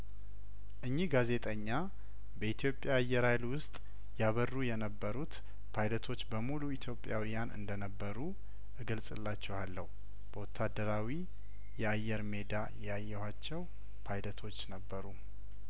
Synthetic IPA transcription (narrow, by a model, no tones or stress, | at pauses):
ʔɨɲːihɡaze̞t̪ʼəɲːa | bəit̪ʰjo̞pʼːjaːjːɛɾajlwʊst̪ʼ | jaβərːujɛnəbːəɾut̪ | pʰajlət̪ʰo̞t͡ʃːbəmuluit̪ʰjo̞pʼjawijanʔɨ̰nd̪ənəbːəɾu | ʔɨɡɨlsʼɨlːat͡ʃːɛwalːəhu | b̥əwɔt̪ʰːad̪ːəɾawi | jɛajːɛɾme̞d̪ajajːɛhat͡ʃːɛw | pʰajlət̪ʰo̞t͡ʃːnəbːəɾu